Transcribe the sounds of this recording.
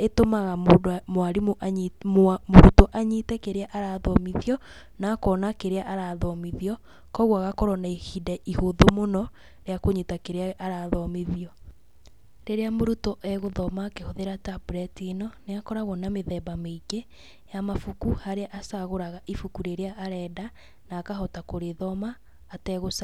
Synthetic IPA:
etomaɣamodmoaɾimoʔ | moɾutɔʔaɲitɛkeɾeaʔaɾaðɔmiðiɔ | nakɔnakeɾeaʔaɾaðɔmiðiɔ | kɔɣwaɣakɔɾɔnaihidɛʔihoðomonɔ | ɾeakoɲitakeɾeaaɾaðɔmiðiɔ | ɾeɾeamoɾutɔʔɛɣoðɔmakehoðeɾatabuɾɛtiːnɔneakɔɾaɣɔnameðɛbameiɡe | jamafukuhaɾeaʔasaɣoɾaɣaʔifukuɾeɾeaʔːɾɛda | naːkaɦɔtakoɾeðɔmaː | tɛɣosa

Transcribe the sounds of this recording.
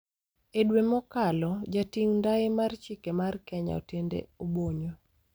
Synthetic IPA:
edwemɔkalɔd͡ʒatiŋndaɪmart͡ʃikemarkɛɲa̰o̰tendḛoboɲo

